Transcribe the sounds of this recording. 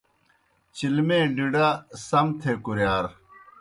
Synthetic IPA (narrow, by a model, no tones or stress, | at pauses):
t͡ɕilmẽːɖiɖasɐmt̪ʰeːkuɾjaːɾ